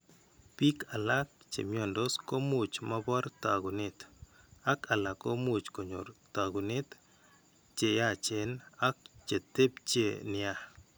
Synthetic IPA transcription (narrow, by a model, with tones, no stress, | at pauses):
pi˦ka˨la˦k̚t͡ʃḛ˨mjɔ˨ndɔ˦sko˦mu˦t͡ʃma˦bɔ˦ɾt̪a˨ɡu˨ne˦t̪ | a˦ka˨la˨ko˦mu˦t͡ʃko˨ɲo̰˨ɾt̪a˨ɡu˨ne˦t̪ | t͡ʃe˨ja˦t͡ʃe˨na˦k̚t͡ʃe˨t̪e˦pt͡ʃe˨nɪ˦a˦